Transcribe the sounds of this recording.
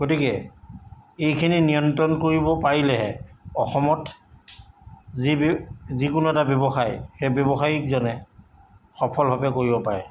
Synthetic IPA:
ɡ̥otikɛ | ejkʰininijɔntɔnkoɹibɔpaɹilɛɦɛɔxɔmɔt | zizikʊnuɛtabjɔbɔxajxebɔbɔxaɹikzɔnɛ | xɔpʰɔlbʱabɛkoɹibɔpaɹɛ

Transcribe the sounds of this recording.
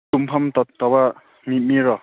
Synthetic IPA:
tumpʰamt̪ɔt̪ɔba | mit̚miɾɔ

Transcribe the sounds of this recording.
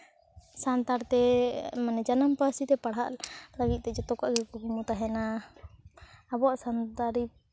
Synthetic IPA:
sant̪aɾt̪ɛmanɛd͡ʒanampəsit̪ɛpaɽ̤aʔlaɡit̪̚ˀt̪ɛd͡ʒɔt̪ɔkaʔɡɛkɔkumut̪aɦɛna | bɔaʔsant̪aɾi

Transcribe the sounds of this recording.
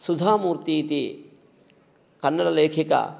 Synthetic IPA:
sud͡ʒʱaːmuːɾt̪it̪i | kɐnːɐlɐleːkʰikɐ̰

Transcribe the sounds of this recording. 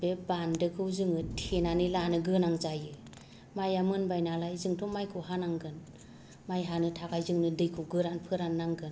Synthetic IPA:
bebandɯkʰɯwzɯŋɯtʰenanilanɯɡɯnaŋzajɯ | majamɯnbajnalajzɯŋtʰɔmajkʰuwɦanaŋɡɯn | majɦanɯtʰaɡajzɯŋnɯdɯjkʰuwɡɯɾanpʰɯɾanːaŋɡɯn

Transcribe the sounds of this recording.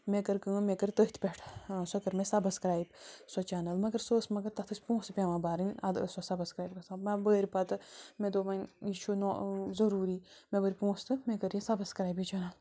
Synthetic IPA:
mekəɾkɨ̃ːmekəɾt̪əɦit̪ʰpʲeʈʰsɐkɐɾmẽsɐbɐskɾaːjbsot͡ʃaːnɐlmɐɡɐɾsoːsmɐɡɐɾt̪ɐt̪ʰɨsʲpõːst̪pʲãːmãːbaːɾɨnʲɐd̪ə̰sɐsɐbɐskɾaːjb̚kɐsãːmẽbəːɾʲpɐt̪ɨmẽd̪omɐnʲiʃunɔzɐɾuːɾimẽbəɾʲpõːst̪ɨmẽkəɾjĩsɐbɐskɾaːjbit͡ʃanɐl

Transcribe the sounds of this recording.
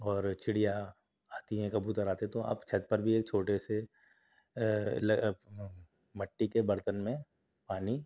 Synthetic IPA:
ɔːɾt͡ʃʰɪɽija | aːt̪iɦɛ̃kɐbut̪əɾaːt̪eɦɛt̪oa̰ːpt͡ʃʰɐd̪̚pɐɾbʱieːk̚t͡ʃʰoːʈese | lɐ | mɐʈːikebɐɾt̪ənmẽ | paːni

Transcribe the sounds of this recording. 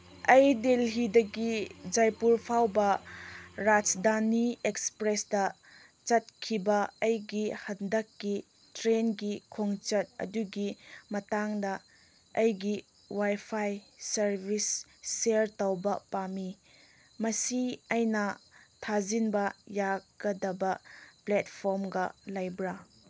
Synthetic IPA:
ʔɐjdelɦidɐɡid͡ʒajpuɾpʰawbɐ | ɾad͡ʒdaniekspɾesdɐ | t͡ʃɐt̚kʰibɐɐjɡihɐndɐkːi | tɾenɡikʰoŋt͡ʃɐt̚ɐ̰duɡimɐtaŋdɐ | ɐjɡi | wajpʰajsɐɾbʱisː | eɾtawbɐpami | mɐsiajnɐtʰazinbɐjaɡɐdɐbɐplɛtpʰoɾmɡɐlajbɾa

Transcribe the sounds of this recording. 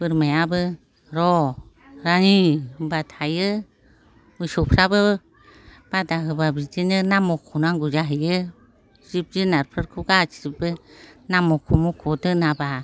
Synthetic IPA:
bɨɾmɛ̃abə | ɾɔ | ɾaɲibat̪ʰajə | mɨʃupʰɾabə | b̥adaɦɯbabid͡ʒinənamokʰunaŋɡud͡ʒaɦijə | d͡ʒib̚d͡ʒinaɾpʰɾəɾkʰuɡat͡ʃid͡ʒibənamokʰumukʰodənãba

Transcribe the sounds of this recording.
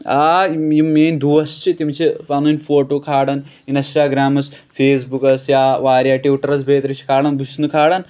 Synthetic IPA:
aːjimmeːnʲd̪uʋɐst͡ʃʰit̪imt͡ʃʰipɐnunʲfoːʈoːkʰaːɽɐn | inɐsʈaːɡɾaːmɐs | feːs̬bukɐsjaːʋaːɾʲjaːʈiʈɐɾɐs̬bʱeːt̪ɾɐt͡ʃʰi̥kʰaːɽɐnbusnɨkʰaːɽɐn

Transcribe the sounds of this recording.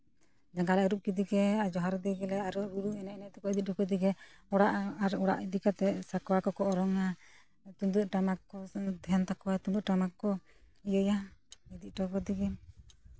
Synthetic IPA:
d͡ʒaŋkalɛʔɾuʔ̚kid̪iɡɛad͡ʒɔɦaɾd̪ɛɡɛlɛaɾuɾuɾuɛnɛnɛt̪ɛkɔid̪it̪̚dɔkɔd̪iɡɛɔɽaʔaɾɔɽa̰ʔid̪ikat̪ɛsakwakɔkɔɔɾɔŋa | t̪uŋd̪uʈamakɔd̪ɛnt̪akɔwat̪und̪uʔʈamakɔ | iɔjaid̪iʈɔkɔd̪iɡɛ

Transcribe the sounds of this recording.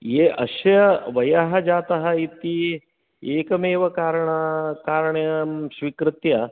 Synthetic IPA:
eːʔɐ̰ʃɐjɐʋɐjaɦɐd͡ʒaːt̪ɐɦɐit̪i | eːkɐmeːʋɐkaːɾɐɳɐkaːɾɐɳɐjɐmʃʋikɾɪt̪jɐ

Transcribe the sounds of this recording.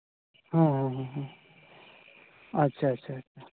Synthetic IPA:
ɦãɦãɦãɦã | ɐtːʃʰaɐtːɕʰaːtʰa

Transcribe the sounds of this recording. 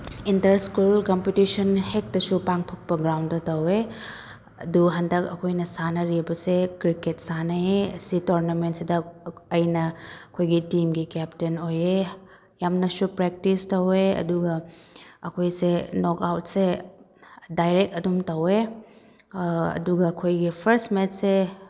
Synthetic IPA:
intɐɾskulkompitisɐnhek̚dɐsupaŋtʰok̚pɐɡɾawndɐtɐwe | ɐ̰duɦɐndɐkɐkʰojnɐsanɐɾibɐsekɾiket̚sanɐeɐ̰sitoɾnɐmentsidɐɐjnɐkʰojɡitimɡikɛptenoje | jamnɐsupɾek̚tistɐweɐ̰duɡɐɐkʰojsenokawt̚se | dajɾektɐdumtɐwe | ɐ̰duɡɐːkʰojɡipʰɐɾstmetse

